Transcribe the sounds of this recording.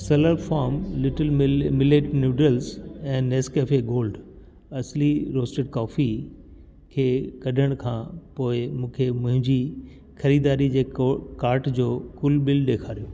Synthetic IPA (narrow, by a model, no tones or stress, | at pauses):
sɐləɾfaːɾmlɪʈəlmmɪleːʈnjuːɖɾəlzɛ̃ːneːskeːfeɡoːlɖ | ɐsliɾoːsʈeɖkɔːfi | kʰeːkɐɖʱəɽ̃kʰãːpoːɪmũːkʰemʊ̃ɦɪ̃ɲd͡ʑi | xɐɾiːd̪aːɾid͡ʑeːkaːɾʈd͡ʑoːkʊlɓɪlɗeːkʰaːɾijoː